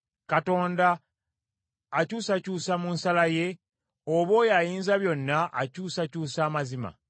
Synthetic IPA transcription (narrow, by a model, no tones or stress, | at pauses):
kato̞ːnda | cuːsacuːsamunsalaje̞ | oβo̞jajiːnzaβjo̞nːaʔa̰cuːsacuːsaːmazima̰